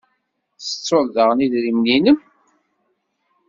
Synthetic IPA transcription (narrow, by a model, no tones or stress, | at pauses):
θə̥t͡sːʊlðəʁniðɾimninəm